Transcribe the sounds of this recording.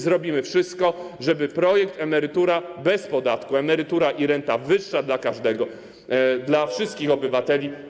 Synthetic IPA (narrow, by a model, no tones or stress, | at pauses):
zɾɔbʲimɘfʂɘst̪̚kɔʐɛbɘpɾɔjɛkt̪ɛmɛɾɘt̪uɾabɛspɔd̪at̪kuɛmɛɾɘt̪uɾaʔiɾɛnt̪avɘʂːad̪lakaʐd̪ɛɡɔ | d̪lafʂɘst̪̚kʲixɔbɘvat̪ɛlʲi